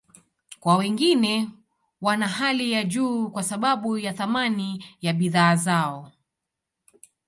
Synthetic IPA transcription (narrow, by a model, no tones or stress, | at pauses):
kwawɛŋɡinɛ | wanaɦalijaʄuːkwasaɓaɓujaθamanijaɓiðaːzaɔ